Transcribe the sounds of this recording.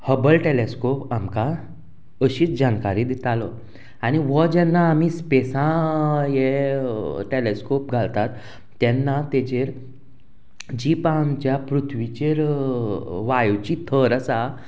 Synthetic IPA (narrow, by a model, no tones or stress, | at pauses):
həbəlʈeleskopamka | əɕiːt͡sd͡ʑankaɾiːd̪it̪alɔ | aɽ̃iʋɔd͡ʑɛnːaːmiːspesãje | ʈeleskop̚ɡʱalt̪at̪ː | jɛ̃nːat̪ed͡ʑeɾ | d͡ʑipaːmt͡ɕjapɾut̪ʰʋit͡ɕeɾ | ʋajʋt͡ɕiːt̪ʰəɾasa